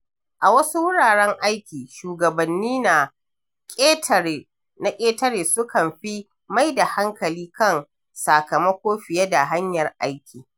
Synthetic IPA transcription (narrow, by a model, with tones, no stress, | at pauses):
ʔa˨wɐ˦su˦wʊ˦ɽaː˨ɽɛ˦ŋʔa˦jkʲiː˨ʃuː˨ɡɐ˨bɐ˨nːiː˦na˨ | kʼːtː | na˨kʲʼeː˦tɐ˦ɽeː˨sʊ˦kɐ˨mɸi˦ | ma˦jda˨ha˦ŋkɐ˨liː˦kɐ˦˨ŋ | saː˨kɐ˨mɐ˦kʷoː˦ɸɪ˨jɛ˦da˨ɦa˦ɲjɐ˨rʔa˦jkʲiː˨